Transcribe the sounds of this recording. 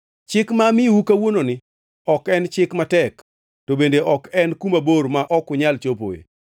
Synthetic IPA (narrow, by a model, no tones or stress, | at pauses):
t͡ʃɪkmamɪwukawononɪ | ɔkɛnt͡ʃɪkmatɛk | tobendeʔɔkɛnkumaboɾmaʔɔkʊɲalt͡ʃopo̰ḛ